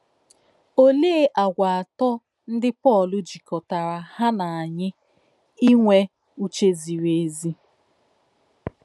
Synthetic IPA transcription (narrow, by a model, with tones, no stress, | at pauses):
o˦le˦e˦ʔa˨ɡʷa˨a˨tɔ˦ | n̩˦dɪ˦pɔ˦˨lʊ˦d͡ʒi˨kɔ˨ta˨ɾa˨ha˦na˨a˨ɲɪ˦ | i˦ŋʷe˦ | u˦t͡ʃe˦zi˨ɾe˨zi˦